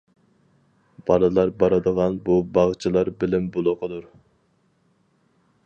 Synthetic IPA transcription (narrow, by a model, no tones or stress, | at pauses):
b̥ɑlˠɨlˠɑɾbɑɾɨd̪əʁɑnbubɑʁt͡ʃʰɨlˠɑɾbɪlɪmbolˠʊqʰəd̪uɾ